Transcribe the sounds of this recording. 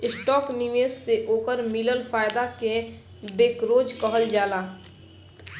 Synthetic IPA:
ɪsʈɔːkniʋesːeʔoːkəɾmiləlfʰaːjd̪ake | beːkɾoːd͡ʒkəɦəld͡ʒaːlaː

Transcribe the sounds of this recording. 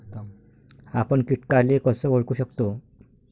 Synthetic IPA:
apəɳkiʈkalekəsəːʋoɭkuːɕəkt̪o

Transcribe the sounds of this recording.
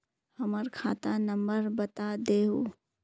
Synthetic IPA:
həməɾkʰaːt̪anə̃mbəɾbət̪ad̪eːɦoː

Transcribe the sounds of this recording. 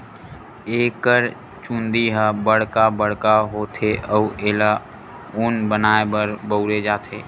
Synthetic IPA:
eːkəɾ | t͡ʃũnd̪iɦəbəɽ̤kabəɽkaɦoːt̪ʰeʔəuʔeːla | ʊnbənaːebəɾbəʊɾed͡ʒaːt̪ʰeː

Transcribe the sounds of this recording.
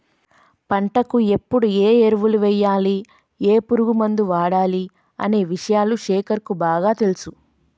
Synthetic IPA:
pɐɳʈɐkue̞pːuɽueːeɾuʋuluʋɛjːaːli | eːpuɾuɡumɐnd̪uʋaːɽaːli | ɐ̰ne̞ːʋiʂɐjaːluʂɛːkɐɾkubaːɡaːt̪elusu

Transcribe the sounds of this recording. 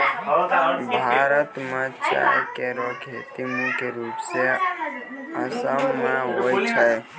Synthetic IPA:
bʱaɾət̪mẽt͡ʃa̰keɾokʰet̪imũkeɾuːpse | əsəmmeɦojt͡ʃʰəj

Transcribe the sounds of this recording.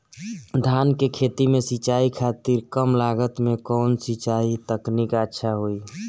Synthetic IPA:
d̪ʱankekʰet̪imesit͡ʃaikʰat̪iɾkəmlaɡət̪mekɔːnsit͡ʃait̪əknikətːʃʰaɦoi

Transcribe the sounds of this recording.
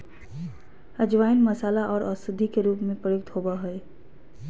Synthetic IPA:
əd͡ʒʋaːjinməsaːlaʔɔːɾʔɔːsɪd̪ʱːikeɾuːpmẽpɾəjʊk̚t̪ɦoːbaɦɛe

